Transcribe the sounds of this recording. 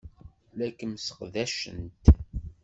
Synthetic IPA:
lækːəmsə̥qðæʃə̰nt̪

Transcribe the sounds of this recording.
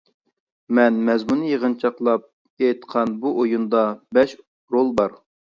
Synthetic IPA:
mɛnmɛzmunɨjeʁənt͡ʃʰɑqlˠɑp̚ | ejt̪qʰɑnbuʔojund̪ɑbɛʃ | ɾolˠbɑɾ

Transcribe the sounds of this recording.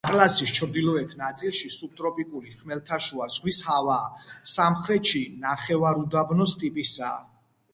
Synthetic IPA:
qʼlasist͡ʃʰɾd̪ilɔɛt̪ʰnat̪sʼilʃisub̚t̪ʼɾɔpʼikʼuliχmɛlt̪ʰaʃuazʁwishavaːsamχɾɛt̪ʃinaχɛvaɾud̪abnɔst̪ʼipʼisa̰ː

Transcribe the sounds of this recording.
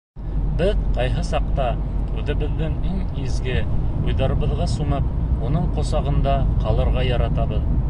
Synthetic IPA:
bɘðqɑjɦɤsɑq̚t̪ɑ | ʉðɘ̆βɘ̆ðːɘŋiŋ | izɡɘujðɑɾɤ̆βɤ̆ðʁɑsumɤp̚unɤɴqŏsɑʁɤ̆nd̪ɑqɑlˠɤ̆ɾʁɑjɑɾɑt̪ɑβɤð

